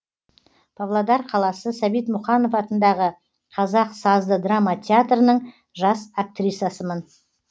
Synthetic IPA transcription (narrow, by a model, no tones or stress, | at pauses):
pʰavlˠad̪ɑɾqʰɑlˠɑsəsæbijt̪mʊχɑno̞fɑt̪ənd̪ɑʁə | qʰɑzɑqsɑzd̪əd̪ramat̪ʲʰeat̪rənəɴ | ʒɑsak̚t̪rʲijt̪sasəmən